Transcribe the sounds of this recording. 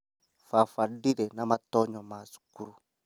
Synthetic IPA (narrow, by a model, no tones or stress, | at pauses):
fafadiɾɛnamatɔɲɔmaːsu̥kuɾu